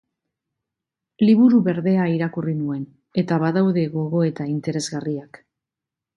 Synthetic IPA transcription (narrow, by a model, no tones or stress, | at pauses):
liβuɾuβe̞ɾðe̞aiɾakurinue̞n | e̞t̪aβaðawðe̞ɣo̞ɣo̞e̞t̪aint̪e̞ɾe̞zɣariak